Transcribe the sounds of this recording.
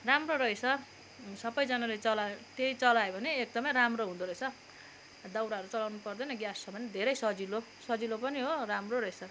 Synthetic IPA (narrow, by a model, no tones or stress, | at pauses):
ramroɾʌet͡sʰʌ | sʌbʌjd͡zʌnalet͡sʌlaot̪eit͡sʌlajbʱʌneek̚d̪ʌmʌjɾamroɦũd̪uɾʌjt͡sʰʌ | d̪awɾaɦʌɾut͡sʌlawnupʌrd̪ʌnʌɡjast͡sʰʌbʱʌned̪ʱeɾʌjsʌd͡zilo | sʌd͡zilopʌniɦoramroɾʌjt͡sʰʌ